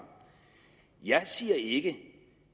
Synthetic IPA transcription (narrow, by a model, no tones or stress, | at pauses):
jɑ̈ɪsiːɐeɡ̥ə